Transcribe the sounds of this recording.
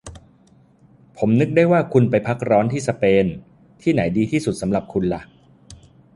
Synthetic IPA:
pʰo˩˦mnɯ˦˥k̚da˥˩jwaː˥˩kʰu˧npa˧jpʰa˦˥k̚ɾɔː˦˥nt̪ʰiː˥˩sa˧peː˧n | t̪ʰiː˥˩na˩˦jdiː˧t̪ʰiː˥˩su˨˩t̪̚sa˩˦mɾa˨˩p̚kʰu˧nla˦˩ʔ

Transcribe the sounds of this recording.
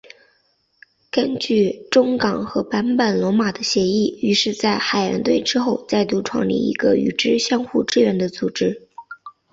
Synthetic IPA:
kə˥nt͡ɕy˥˩ʈ͡ʂʊ˥ŋkɑ˨˩ŋxɤ˧˥pa˧˥npə˨˩nlwɔ˧˥ma˨˩d̪ə˦ɕjɛ˧˥i˥˩y˧˥ʂɻ̩˥˧t͡sa˥˩ɪxa˨˩ɪja̰˧˥nt̪we˥˩ɪʈ͡ʂɻ̩˥xo˥˧ʊt͡sa˥˧ɪt̪u˥˧ʈ͡ʂʰwɑ̰˥˩ŋlḭ˥˩ḭ˧˥ɡə̰˧y̰˨˩ʈ͡ʂɻ̩˥ɕjɑ˥ŋxu˥˧ʈ͡ʂɻ̩˥˧ɥɛ˧˥nd̪ə˧t͡su˨˩ʈ͡ʂɻ̩˥

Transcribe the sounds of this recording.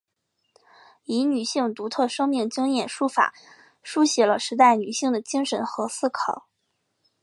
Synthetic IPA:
i˧˥ny˨˩ɕi˥˩ŋt̪u˧˥t̪ʰɤ˥˩ʂɤ˥ŋmi˥˩ŋt͡ɕi˥ŋjɛ˥˩nʂu˥fa̰˨˩˦ | ʂu˥ɕjɛ˧˥lə˧ʂɻ̩˧˥t̪̬a˥˩ɪny˨˩ɕi˥˩ŋd̪ə˩t͡ɕi˥ŋʂə˧˥nxɤ˧˥sɹ̩˥˩kʰɑ˨˩˦ʊ

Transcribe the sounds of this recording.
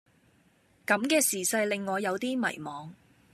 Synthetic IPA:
kɐ˨˥mkɛː˧siː˨˩sɐ˧jlɪ˨ŋːɔː˨˧jɐ˨˧wt̪iː˥mɐ̰˨˩jmɔː˨˧ŋ

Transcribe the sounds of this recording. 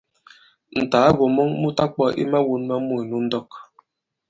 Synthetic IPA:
n̩˨taː˨˦ɣo˨mɔ˦ŋmu˦ta˦k̚k͡pɔ˦ʔḭ˦ma˦wu˦nma˦mu˦˨i˨nu˦n̩˦dɔ˦˨k

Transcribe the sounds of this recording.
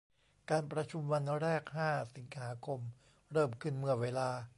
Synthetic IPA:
kaː˧npɾa˧t͡ɕʰu˧mwa˧nɾɛː˥˩k̚haː˥˩si˩˦ŋhaː˩˦kʰo˧m | ɾɤː˥˩mkʰɯ˥˩nmɯ˧˥˩ɐweː˧laː˧

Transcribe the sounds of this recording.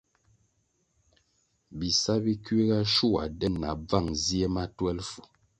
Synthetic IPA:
bi˨sa˦bi˦kɥe˦ɡa˦ʃu˦˨a̰˨dɛ˦nna˨b͡va˦˨ŋzi˦e˦ma˦twɛ˦lfu˨

